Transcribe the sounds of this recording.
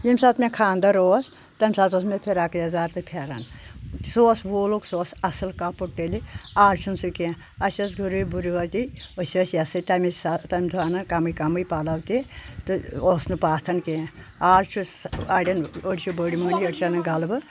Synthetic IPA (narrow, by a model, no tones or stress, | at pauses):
jimʲsɐt̪ʰmʲekʰaːnd̪ɐɾoːs | t̪ɐmʲsaːt̪osmepʰeɾaːkɨjɐzaːɾt̪ɨpʰeɾɐ̰nsoːsboːloksoːsɐsɨlkɐpuʈ̚ʈeliaːɾt͡ʃʰunsuke | ɐsʲɐsɡuɾujbuɾiʋɐt̪iəsiɐsjɐsɨt̪ɐmist̪ɐmʲd̪ʰʱuaːnɨkɐmɨjkɐmɨjpalɐwt̪it̪ɨoːsnɨpaːt̪ʰɐnke | aːɾt͡ʃʰuɐɽʲɐnəɽit͡ʃʰubəːɽimɐːniəɽʲit͡ʃʰɐnɨɡɐlbɨ